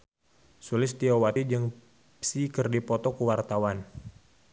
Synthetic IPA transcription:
sulɪst̪iowat̪id͡ʒɨŋ | psikɨrdipɔt̪ɔkuwart̪awan

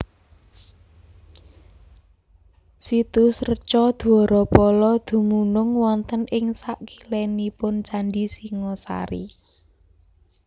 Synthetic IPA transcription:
sit̪usrət͡ʃɔd̪̥̤ɔɾɔpɔlɔd̪̥ṳmunʊŋwɔnt̪ənʔɪŋsaʔki̥lɛnipʊnt͡ʃanɖisiŋɔsa̰ɾḭ

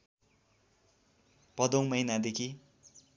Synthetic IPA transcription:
pʌd̪owmʌjnad̪ekʰi

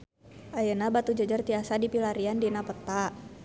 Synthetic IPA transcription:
ʔajənabat̪ud͡ʒəd͡ʒərt̪iasadipilaɾiandinapət̪a

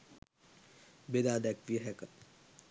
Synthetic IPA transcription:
bed̪aːd̪ɛkʋiəɦɛkət̪̚

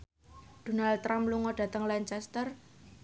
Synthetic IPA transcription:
d̪̥o̤nalːɾamluŋɔɖ̥ä̤t̪əŋlaɲt͡ʃɛst̪ər

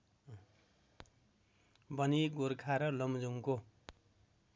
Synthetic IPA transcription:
bʌniɡoɾkʰaɾʌlʌmd͡zuŋko

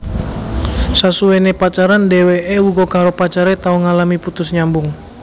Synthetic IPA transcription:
sasuenepat͡ʃaɾandeweʔewuɡɔkaɾopat͡ʃaɾet̪auŋalamiput̪ʊsɲambʊŋ

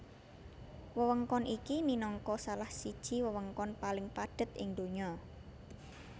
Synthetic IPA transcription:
wəwəŋkɔnʔikiminɔŋkɔsalahsid̥ʒ̥i̤wəwəŋkɔnpalɪŋpaɖ̥ə̤t̪ʔɪŋd̪oɲɔ

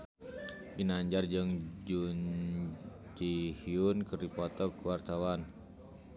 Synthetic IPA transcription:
ʔinaɲd͡ʒard͡ʒɨŋd͡ʒun | d͡ʒihiunkɨrdipɔt̪ɔkuwart̪awan

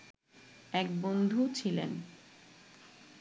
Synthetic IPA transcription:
ɛk̚bond̪ʱut͡ɕʰilḛn

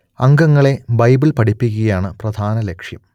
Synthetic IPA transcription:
ɐŋɡɐŋːɐɭe̞bɐjbilpɐɽipːiɣɐjaːɳɨprɐd̪ʱaːnɐlekʂjɐ̰m

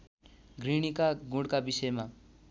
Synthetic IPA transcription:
ɡriɽ̃ikaɡũɽkabisʌjma

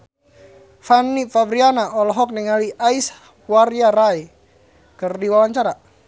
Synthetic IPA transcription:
fanːifabɾianaʔɔlɔɦɔk̚niŋaliʔais | warjaɾai | kɨrdiwawaɲt͡ʃaɾa

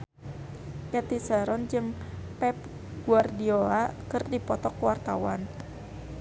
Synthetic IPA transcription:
jat̪isəɾɔnd͡ʒɨŋpɛp̚ | ɡ̥uardioakɨrdipɔt̪ɔkwart̪awan

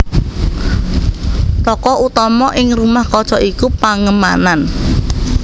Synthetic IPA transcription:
t̪ɔkɔʔut̪ɔmɔʔɪŋrumahkɔ̥t͡ʃɔʔikupaŋəma̰nan

